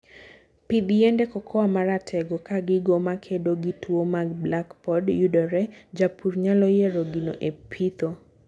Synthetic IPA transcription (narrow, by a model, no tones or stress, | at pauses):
pid̪jɛndekɔkʰɔamaɾatʰɛɡokaɡɪɡomakʰedoɡitʰwomaɡblakpɔdjudɔɾɛd͡ʒapuɾɲalɔjeɾoɡino̰ʔepʰit̪o